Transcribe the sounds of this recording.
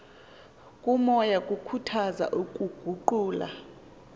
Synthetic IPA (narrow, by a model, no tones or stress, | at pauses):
kʼumɔjakʼukʰutʰaza̰ʔukʼuɡ̥ʱuǃuːla̰